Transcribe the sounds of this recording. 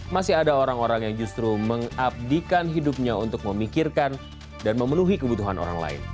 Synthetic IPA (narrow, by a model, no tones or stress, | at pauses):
masɪɦadaoɾaŋoɾaŋjaŋd͡ʒust̪ɾuməŋap̚dikanɦidup̚ɲaunt̪ʊk̚məmikirkan | danməmənuɦikəbut̪uɦano̰ɾa̰ŋla̰ɪ̰n